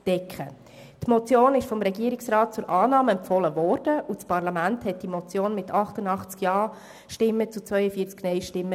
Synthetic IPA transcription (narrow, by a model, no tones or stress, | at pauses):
d̥ɛkχə | tmɔt͡sjoːnɪʃfɔmɾɛɡiːəɾɪksrɑːt̚t͡sʊɾʔɑːnɑːmɛmpfɔləvɔrd̥əʔut͡spɑɾrlɑmænthɛt̚d̥imɔt͡sjoːnmɪtʰɑχtənɑχt͡skjɑː | ʃtɪmːət͡sut͡svœʏəfiːət͡sknɛɪʃtɪmːə